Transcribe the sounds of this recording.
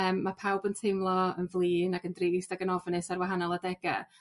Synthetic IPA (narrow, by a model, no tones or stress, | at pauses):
əːmːapʰawbəntʰejmlˠɔənvlˠiːnaɡəndrɪvɪsdaɡənɔvnɨsarwaɦanɔlˠadɛɡɛ̰